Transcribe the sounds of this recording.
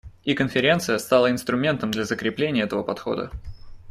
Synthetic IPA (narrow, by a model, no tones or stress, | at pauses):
ikənfʲɪɾʲe̞nt̪sɨjəst̪alˠəɪnst̪ɾʊmʲe̞nt̪əmd̪lʲɐzəkɾʲɪplʲenʲɪjəɛt̪əvəpɐt̪xo̞̰d̪ə̰